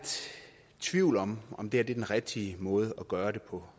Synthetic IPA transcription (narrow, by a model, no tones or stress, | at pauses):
d̥ | t͡sʰʋiʊ̰lɒ̽mɒ̽md̥e̝æɐd̥e̝d̥enʁɛɡ̥̚d̥imɔ̽ːð̞ˠəɒɡ̥ɶːɐɾ̥e̝pʰɒ̽